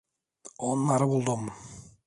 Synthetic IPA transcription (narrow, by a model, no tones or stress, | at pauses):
onnɑɾəbolˠd̪om